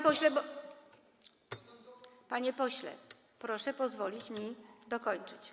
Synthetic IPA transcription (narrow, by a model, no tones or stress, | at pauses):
pɔɕlɛb | paɲɛpɔɕlɛ̰ | pɾɔʂɛpɔzvɔlʲit͡ɕmʲid̪ɔkɔɲt͡ʂɘt͡ɕ